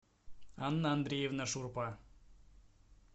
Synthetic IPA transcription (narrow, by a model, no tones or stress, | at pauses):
ɑnːɑnd̪ɾʲejevnəʃurpɑ